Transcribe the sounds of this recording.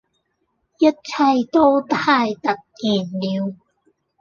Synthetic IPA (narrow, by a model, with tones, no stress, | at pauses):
jɐ˥t̚t͡sʰɐ˧jt̪o˥wt̪ʰaː˧˥jt̪ɐ˨k̚ːiː˨˩nliː˨˧w